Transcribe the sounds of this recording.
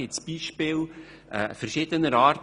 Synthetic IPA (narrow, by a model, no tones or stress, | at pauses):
ɪt͡sb̥iːʃpɪːl | ɛ̰fəɾʃɪdənəɾɑːɾt